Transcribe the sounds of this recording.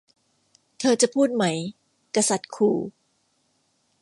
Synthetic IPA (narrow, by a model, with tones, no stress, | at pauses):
t̪ʰɤː˧t͡ɕa˨˩pʰuː˥˩t̪̚ma˦˥j | ka˧sa˨˩t̪̚kʰuː˨˩